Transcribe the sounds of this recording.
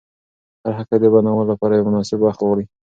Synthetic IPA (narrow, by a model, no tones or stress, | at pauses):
haɾɦakad̪əbanawalapɑɾajwmʊnɑsɪbwaxt̪waɽi